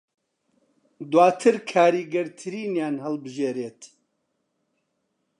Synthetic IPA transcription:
d̪waːt̪ʰɨɾkʰaːɾiːɡɐɾt̪ʰɨɾiːnjaːnhɐlbɨʒeːɾeːt̪

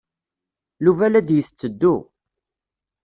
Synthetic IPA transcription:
luvælæd̪jəθət͡sːəd̪ːu

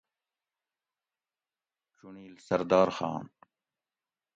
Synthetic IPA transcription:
t͡ʃuɳiːlsɐɾd̪aːɾxa̰ːn

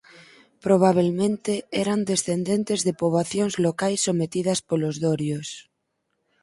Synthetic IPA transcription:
pɾoβ̞aβ̞elmẽnt̪eeɾand̪esθend̪ẽnt̪ezðepoβaθjoŋzlokajsːomet̪ið̞aspolozðoɾjos

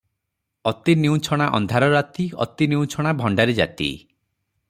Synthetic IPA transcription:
ɔt̪iniũt͡ʃʰɔɽ̃aʔɔ̰nd̪ʱaɾɔɾat̪iɔ̰t̪iniũt͡ʃʰɔɽ̃abʱɔɳɖaɾed͡ʒa̰t̪ḭ

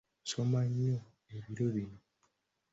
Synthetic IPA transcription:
somaɲːo | eβiɾoβino

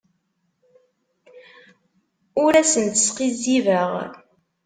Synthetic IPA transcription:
ʊɾæsənt̪ə̥sqizːivəʁ

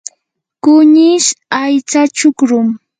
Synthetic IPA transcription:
kʊɲɪʃajt͡sat͡ʃʊkɾʊm

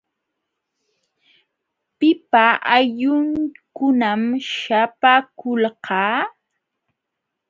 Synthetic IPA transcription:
pɪpaʔaʎʊŋkʊnamʃapakʊlqɑː

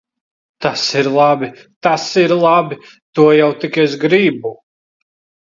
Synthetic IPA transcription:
t̪asiɾlˠabi | t̪asiɾlˠabʲi | t̪uɔjawt̪ikɛzɡɾibu

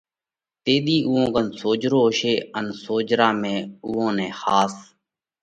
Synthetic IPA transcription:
t̪eːɗ̪iːʔʊːõːkənsoːd͡ʒɾoːʃeːənsoːd͡ʒɾaːmẽːʊːõːnẽːxaːs

